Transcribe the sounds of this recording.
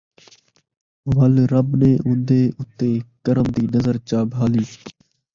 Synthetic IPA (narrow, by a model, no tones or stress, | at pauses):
ʋəlɾəbneːʔʊ̃nd̪eːʔʊt̪ːeːkəɾəmd̪iːnəzəɾt͡ʃaːbɦaːliː